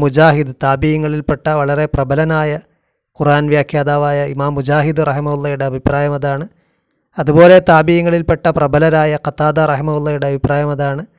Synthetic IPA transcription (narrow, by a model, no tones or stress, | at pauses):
mud͡ʑaːɦid̪t̪aːbijiŋːɐɭilpeʈːɐʋɐɭɐre̞prɐbɐlɐnaːjɐ | kuraːnʋjaːkʰjaːd̪aːʋaːjɐimaːmːud͡ʑaːɦid̪ɨrɐɦimɐulːɐjuɽe̞ɐbʱipraːjɐmɐðaːɳɨ | ɐðubo̞ːle̞t̪aːbijiŋːɐɭilpeʈːɐprɐbɐlɐnaːjɐqɐt̪aːd̪arɐɦimɐulːɐjuɽeɐbʱipraːjɐmɐðaːɳɨ